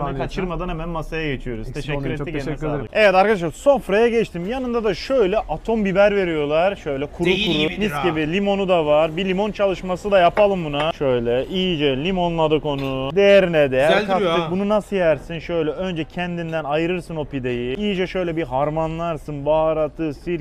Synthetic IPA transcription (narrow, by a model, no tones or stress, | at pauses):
kʰat͡ʃʰɯɾmad̪anhɛmænmasajaɟet͡ʃʰijo̞ɾuzt̪ʰeʃɛːyɾɛt̪ːieɛɛvɛt̪aɾkad̪aʃɾsofɾajaɟɛt͡ʃt̪ʰimjanɯnd̪ad̪aʃø̞jlʲɛʔat̪ʰo̞mbibæɾve̞ɾijo̞lˠaɾʃø̞jlʲɛkʰuɾukʰuɾuniscibilʲimo̞nud̪avaɾbilʲimo̞nt͡ʃʰalˠɯʃmasɯd̪ajapalˠɯmbunaʃø̞jlʲɛʔijd͡ʒɛlʲimo̞nlˠad̪ɯko̞nud̪ejɛɾinɛd̪ejɾlkʰafɯbununasɯjæɾsinʃøjlʲɛø̞nd͡ʒɛcʰɛnd̪ind̪ænajɯɾɯɾsɯno̞pid̪ejiijd͡ʒɛʃø̞jlʲɛbiɦaɾmanlˠaɾsɯnbaɾat̪ʰɯsiɾ